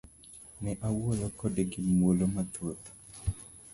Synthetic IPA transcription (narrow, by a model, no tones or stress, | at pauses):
nɛʔawolɔkɔdeɡɪmwolomat̪ot̪o̥